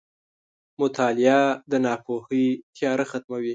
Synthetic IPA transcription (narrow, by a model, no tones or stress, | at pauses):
mʊt̪ʰɑlɪjad̪ənɑpʰohit̪ʰjɑɾaxat̪mawi